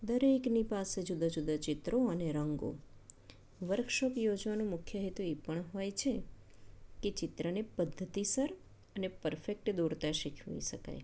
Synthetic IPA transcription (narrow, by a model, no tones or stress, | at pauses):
d̪əɾeknipased͡ʒud̪ad͡ʒud̪ʱat͡ʃɪt̪ɾoəneɾəŋɡo̰ | ʋəɾkʃokjod͡ʒʋanũmʊkʰjəɦet̪uepəɳɦojt͡ʃʰe | ket͡ʃɪt̪ɾənepəd̪ʱːət̪isəɾ | ənepəɾfek̚ʈd̪uɾt̪aʃikʰʋḭʃəka̰j